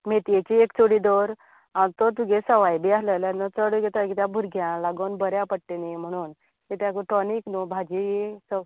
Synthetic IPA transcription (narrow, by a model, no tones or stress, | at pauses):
met̪jet͡ɕiekt͡soɽid̪ɔɾ | ant̪ɔt̪uɡesəʋajbiasləljanət͡səɽəɡet̪akit̪jabʱuɾɡʱjãlaɡonbəɾjapəɽʈenim̤əɽ̃uːn | t̪et̪ãkəʈɔniknubʱad͡ʑijesə